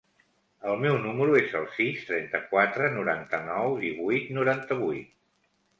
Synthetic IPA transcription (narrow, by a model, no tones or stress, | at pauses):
əlˠmɛwnuməɾuezəlˠsist̪ɾɛnt̪əkwat̪ɾənuɾa̰nt̪ənɔwðiβujt̪nuɾant̪əβujt̪